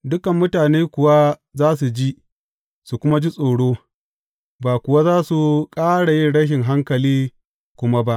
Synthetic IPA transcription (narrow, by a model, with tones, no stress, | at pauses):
dʊ˦kɐ˨mːʊ˦taː˨neː˦kʷʊ˨wa˦zaː˦s̬u˨d͡ʒi˦ | su˨kʷʊ˦ma˦d͡ʒi˦sʼoː˨ɽoː˦ | baː˨kʷʊ˨wa˦zaː˦su˨kʼaː˦ɽa˨jɪ˦nɽɐ˦ʃ̬ɪ˨ŋɦa˦ŋkɐ˨liː˦ | kʷʊ˦ma˦ba˦ʔ